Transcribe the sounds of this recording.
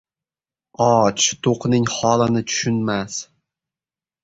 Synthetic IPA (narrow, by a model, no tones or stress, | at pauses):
ɒt͡ʃt̪ʰoqnɪŋhɒlɪnɪt͡ʃ̪ʰʊ̥ʃʊnmas